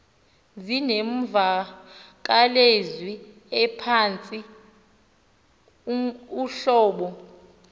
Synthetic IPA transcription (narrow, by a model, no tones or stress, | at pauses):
zinem̩vak̬alezwi | ɛpʰant͡sʼi | uɬɔːɓɔ